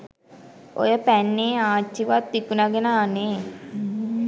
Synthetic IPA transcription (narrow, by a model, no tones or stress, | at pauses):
ʔo̰jəpænːeːaːt͡ʃːiʋat̪ːikunaɡenaːne